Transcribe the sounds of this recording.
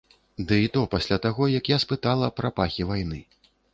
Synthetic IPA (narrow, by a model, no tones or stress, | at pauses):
d̪ɨit̪ɔpasʲlʲat̪aɣɔjɐkjaspɨt̪alˠɐpɾapaxʲivajnɨ